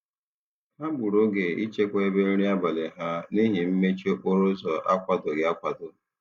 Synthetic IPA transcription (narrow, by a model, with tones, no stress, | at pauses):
ha˦bʊ˨ɾʊ˦ɡe˨i˦t͡ʃe˦kʷa˦e˦be˦n̩˦ɾi˦a˦ba˨le˨ɦa˦ni˦ɦi˨m̩˦me˦t͡ʃo˦ʔo˦ɾʊ˦zɔ˨ʔa˦kʷa˨dʊ˨ɡɪ˨a˦kʷa˨dʊ˨